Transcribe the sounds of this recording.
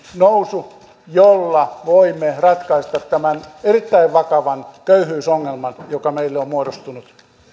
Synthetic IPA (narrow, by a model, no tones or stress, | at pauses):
nousu | jolːɑʋoimːerɑt̪kɑist̪ɑt̪tæmænerit̪ːæiʋʋɑkɑʋɑnkøyhyːsoŋːelmɑnjokɑmeilːeommuoɾost̪unut̪